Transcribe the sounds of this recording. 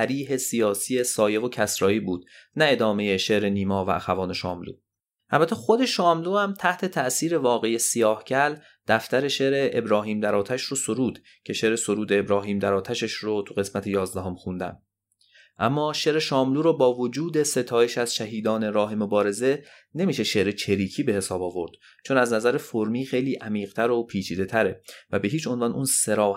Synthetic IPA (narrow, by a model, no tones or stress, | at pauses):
sæɾiːɦe̞sijɒːsiːe̞sɒːje̞ɣocʰæsɾɒːiːbuːd̪̥næe̞d̪ɒːmeje̞ʃeʔɾe̞niːmɒːvææxævɒːne̞ʃɒːmlṵː | ʔælbæt̪ʰːexo̞d̪e̞ʃɒːmluːhæmt̪ʰæht̪ʰe̞t̪ʰæʔsiːɾe̞vɒːɣe̞jesijɒːhcʰæl | d̪̥æft̪æɾe̞ʃe̞ɾeʔebɾɒːɦiːmd̪æɾɒːt̪ʰæʃɾoso̞ɾuːd̪̥ | cʰe̞ʃe̞ɾeso̞ɾuːd̪eːbɾɒːɦiːmd̪æɾɒːt̪ʰæʃeʃɾot̪ʰuɣe̞smæt̪ʰejɒːzd̪æɦo̞mxund̪æ̰n | ʔæmːɒːʃeɾeʃɒːmluːɾɔːbɒːvod͡ʒuːd̪e̞se̞t̪ʰɒːjeʃæz̥ʃæɦiːd̪ɒːne̞ɾɒːɦe̞mo̞bɒːɾe̞ze̞ | ne̞miːʃeʃe̞ʔɾe̞t͡ʃʰeɾiːcʰiːbe̞he̞sɒːbɒːvo̞ɾd̪̥ | t͡ʃʰo̞næznæzæɾefoɾmiːxe̞jliːʔæmiːʁt̪ʰæɾopʰiːt͡ʃʰiːd̪e̞t̪ʰæɾevæbe̞ɦiːt͡ʃʰo̞nvɒːnʔunse̞ɾɒːh